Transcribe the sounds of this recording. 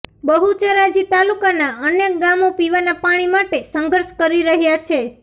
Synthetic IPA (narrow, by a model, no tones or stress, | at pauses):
bəɦut͡ʃeɾad͡ʒit̪alukanaənjək̚ɡamopiʋanapaɽ̃imaʈesə̃ŋɡəɾʃkəɾiɾəɦjat͡ʃʰe